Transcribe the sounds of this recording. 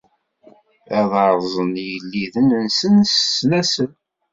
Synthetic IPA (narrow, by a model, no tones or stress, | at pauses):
æðɑɾˤzˤənjəlːiðənənsənsːnæsən